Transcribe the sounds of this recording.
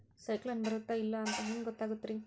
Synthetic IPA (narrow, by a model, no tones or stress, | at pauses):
sɐjklɐnbɐɾut̪ːɐilːɐːnt̪ɐɦɐnɡɔt̪ːaːɡut̪ːɾi